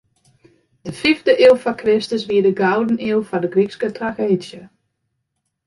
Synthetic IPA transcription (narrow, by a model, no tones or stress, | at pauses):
d̥əfivdəʔeəlˠfakʰrɪstəsʋiədəɡawdəniəlˠfɔdəɡrikskətraxeːdjə